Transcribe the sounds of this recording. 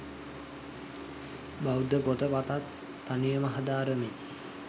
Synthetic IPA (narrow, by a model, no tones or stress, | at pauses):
bawd̪əpot̪əpat̪at̪ː | anijəmaɦad̪aːɾəme